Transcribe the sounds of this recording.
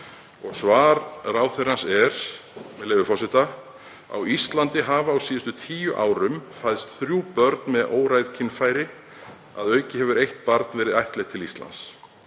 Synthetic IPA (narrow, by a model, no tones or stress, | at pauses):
ɔɣsvaːɾraːwθeɾansɛɾ̥mɛðlɛːvʏfɔsɪt̪a | a̰wist̪lant̪ɪɦaːvaːwsiːðʏst̪ʏt̪ʰiːjʏʔaːwɾʏmfajðst̪θɾjuːpœɾt̪nmɛðoːwɾajðcʰɪnfaːjɾɪ | a̰ðœːɥcɪɦɛvʏɾejht̪̚paɾt̪nvɛːɾɪðajht̪lɛxt̪ʰɪlist̪la̰ns